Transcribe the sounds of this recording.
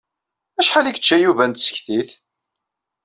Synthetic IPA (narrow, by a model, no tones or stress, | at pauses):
æʃħaliɡət͡ʃːæjuvænt̪sə̥çθiθ